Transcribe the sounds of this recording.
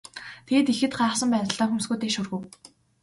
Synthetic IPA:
t̪ʰeːt̪ixɘ̆t̪χaːχsə̆mpæːt̪ə̆ɬt̪ɔːxumsɡujt̪eːʃurɣɘ̆w

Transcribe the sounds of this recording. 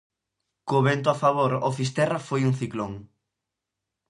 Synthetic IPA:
koβent̪̬ʊafaβ̞oɾofist̪ɛrafojuŋθikloŋ

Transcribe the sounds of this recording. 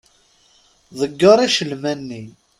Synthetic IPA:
ðˤəɡːɑɾˤæʃəlmænːi

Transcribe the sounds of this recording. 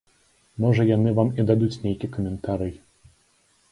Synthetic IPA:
mɔʐɐjanɨvamid̪ad̪ut͡sʲnʲejkʲikɐmʲɛnt̪aɾɨj

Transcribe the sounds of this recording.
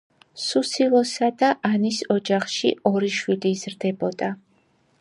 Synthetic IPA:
susilˠɔsad̪aʔanisɔd͡ʒaχʃiɔɾiʃwiliːzɾd̪ɛbɔd̪̥a

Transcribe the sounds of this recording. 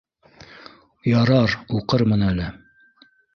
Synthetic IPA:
jɑɾɑɾuqɤɾmɤnælɘ

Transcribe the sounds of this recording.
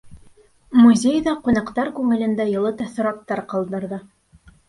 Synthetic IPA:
muzʲejðɑqunɑqt̪ɑɾkʉŋɘ̆lɘ̆nd̪æjɤ̆lˠɤt̪æθɤ̆ɾɑt̪ːɑɾqɑlˠd̪ɤ̆ɾðɤ

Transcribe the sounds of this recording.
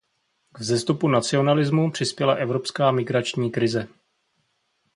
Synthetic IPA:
ɡvzɛst̪upunat͡sɪo̞nalɪzmupr̝̥ɪspjɛlaʔɛvɾo̞pskaːmɪɡɾat͡ʃɲiːkɾɪzɛ

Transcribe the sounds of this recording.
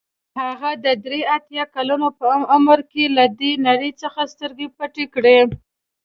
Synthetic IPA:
haɣad̪əd̪ɾeat̪jɑkalanopəamaməɾkelad̪enaɾit͡səxast̪əɾɡepaʈekɽe

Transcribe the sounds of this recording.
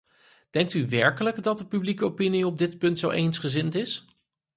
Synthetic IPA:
d̥ɛŋk̚tyʋɛɹkələɡdɑt̚dəpyblikəopiniɔb̚dɪtpɵntsowʔejnsχəzɪntɪs

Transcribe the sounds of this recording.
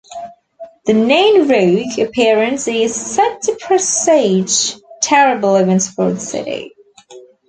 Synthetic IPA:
ðɨnẽɪ̃nɹʉɡɨpʰɪəɹɨ̃nsɪz̥sɛtʰəpʰɹ̥ɛseɪ̥d͡ʒtʰɛɹəbəl̩ˠəɡɛ̃nsfə˞dsɪ̰ɾḭ

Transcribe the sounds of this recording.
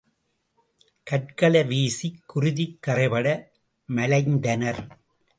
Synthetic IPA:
kɐʈ̚kɐlɐʋeːsikːʊɾʊðɪkːɐrɐɪpɐɽɐ | mɐlɐɪnd̪ɐnɐɾ

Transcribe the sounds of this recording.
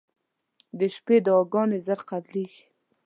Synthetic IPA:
d̪əʃped̪əɑɡɑnezaɾqad̪liɡi̥

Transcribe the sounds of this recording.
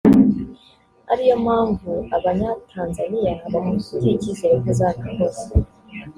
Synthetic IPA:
a̰ɾijo̞maːɱvuaβaɲatʰaːnzanijaβamusuɾiciːze̞ɾokezanaho̞ːse

